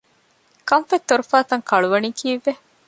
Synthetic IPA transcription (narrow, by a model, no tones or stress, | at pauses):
kɐɱfet̪ːoɾufaːt̪ɐŋkɐɭuʋɐnikiːʋːe